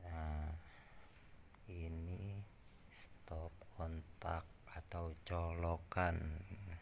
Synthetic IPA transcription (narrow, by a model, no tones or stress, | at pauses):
a | ini | st̪ɔp̚kʰɔnt̪ak̚at̪awt͡ʃɔlokan